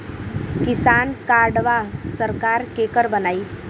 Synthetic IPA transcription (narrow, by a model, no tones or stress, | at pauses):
kisankaɾɖʋasəɾkaɾkekəɾbənai